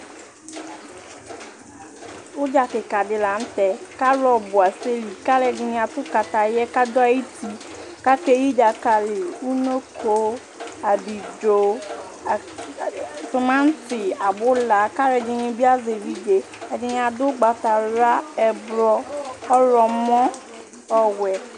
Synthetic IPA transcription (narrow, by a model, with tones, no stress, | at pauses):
wʊ˦d͡ʒa˨kɪ˨ka˨dɪ˨la˨n̩˦t̪ɛ˨ka˦ɾɔ˦bʊ˨a˨se˦li˨ka˦lɛ˨d͡ʒɪ˨nɪ̃˨˦a˨tʊ˦ka˨t̪a˨jɛ˦ka˦dɔ˦a˦i˦t̪i˦ | ka˦ke˦ji˦d͡ʒa˨ka˨lɪ˨u˦no˦kʰo˦ | a˨bi˨d͡ʒo˦˨ | sʊ˨mã˦n̩˦sɪ˨a˨bʊ˦la˨ka˦ɾɛ˨d͡ʒɪ˨nɪ̃˧bi˦a˦ze˨vi˦d͡ʒe˨ | ɛ˨dɪ˨nɪ̃˨a˨dʊ˦ɡ͡ba˨ta˨ɾa˦ɛ˨bɾɔ˦ɔ˦ɾɔ˨mɔ̃˦ | ɔ˨wɛ˨